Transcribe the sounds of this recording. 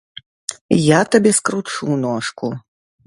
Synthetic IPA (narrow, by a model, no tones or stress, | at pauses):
jat̪abʲɛskɾut͡ʂunɔʂku